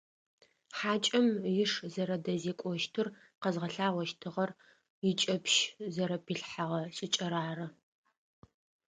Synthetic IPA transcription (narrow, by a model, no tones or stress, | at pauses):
ħaːt͡ʃʼɐmjɪʂzɐɾɐdɐzeːkʷʼɔʃtʰɨr | qɐzʁɐɬaːʁʷɔʃtʰɨʁɐr | jɪt͡ʃʼɐpʰʃzɐɾɐpʰiɬħaʁɐɕʼɪt͡ʃʼɐɾaːrɐ